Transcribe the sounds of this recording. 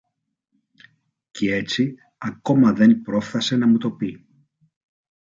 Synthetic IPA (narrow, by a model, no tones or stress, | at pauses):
cee̞t͡si | ɐko̞mɐðe̞npɾo̞fθɐse̞nɐmut̪o̞pi